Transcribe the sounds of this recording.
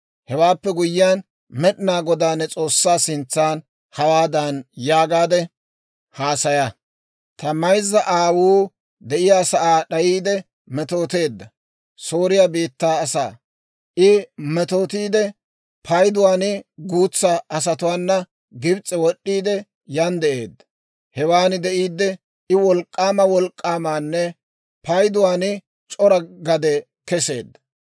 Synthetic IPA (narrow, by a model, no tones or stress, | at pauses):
hɛwaːpːɛɡʊjːɪjaːn | mɛɗɪnaːɡɔd̪aːnɛt͡sʼo̞ːsːaːsɪnt͡sːaːn | hɐwaːd̪ɐnjaːɡaːd̪ɛ | haːsɐjɐ | t̪ɐmɐjzːɐʔaːwuː | d̪ɛʔɪjaːsɐʔaːɗɐjiːd̪ɛ | mɛt̪o̞ːt̪e̞ːd̪ːɐ | soːɾɪjaːbiːt̪ːaːsa̰ː | ʔɪmɛt̪o̞ːt̪iːd̪ɛ | pʰɐjd̪ʊwaːnɪɡuːt͡sːɐʔɐs̬ɐt̪ʊwaːnːɐ | ɡɪbt͡sʼːɛwɔɗːiːd̪ɛ | jɐnd̪ɛʔe̞ːd̪ːɐ̥ | hɛwaːnɪd̪ɛʔiːd̪ːɛ | ɪwɔlkʼːaːmɐwɔlkʼːaːmaːnːɛ | pɐjd̪ʊwaːnɪ | t͡ʃʼɔɾɐɡɐd̪ɛ | kɛse̞̰ːd̪ːɐ̥